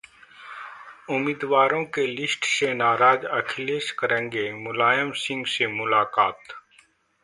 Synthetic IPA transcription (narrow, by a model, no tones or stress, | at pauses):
ʊmiːd̪ʋaːɾõkelɪsʈsenaːɾaːd͡ʒɐkʰɪleːʃkəɾə̃ŋɡemʊlaːjəmsɪ̃ŋɡsemʊlaːkaːt̪